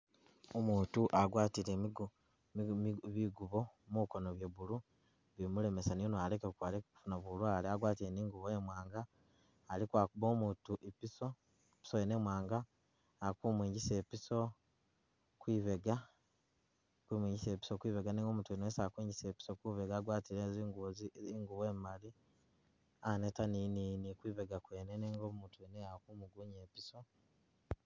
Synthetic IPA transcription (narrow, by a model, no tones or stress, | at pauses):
omuːtuʔaɡwaːtiɾeɡ | miβiɡuβo̞mukonoβje̞βulu | βimule̞me̞sanijonoale̞kekukwalekku̥funaβulwaːleaɡwaːtiɾeniːŋɡuβojemwaːŋɡaː | likwaːkuβo̞ːmuːtuʔipiso | pi̥sojenemwaːŋɡaː | kumwiːɲɟise̞ːpiso̞ | kwiːβeɡa | kwiːmwiːɲɟiseːpi̥sokwiːβeɡaniŋɡo̞muːtuenoesakwiːɲɟiseːpi̥sokuβe̞ɡaːɡwaːtiɾezɡzŋɡuweːmali | anetanininikwiːβeɡakweːneneːŋɡoːmuːntuenejakumuɡuɲeːpiso̞